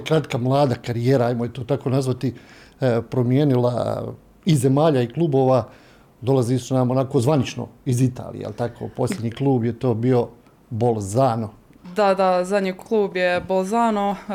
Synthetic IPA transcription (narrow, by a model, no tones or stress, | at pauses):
kɾat̪kamlˠaːd̪akaɾijeːɾaajmojet̪oːt̪ako̞ːnazʋat̪i | pɾo̞mjeːnila̰ | ize̞maːʎaiklˠuːbo̞ːʋa | d̪o̞lˠazisunamonako̞zʋanit͡ʃno̰izit̪a̰ːlḭḛjḛlˠt̪akʰo̰po̞slʲje̞d̪ɲiːklˠuːbjet̪o̞ːbio̞ | bolˠzaːno | d̪ad̪azad̪ɲikʰlˠuːbjebolˠzaːno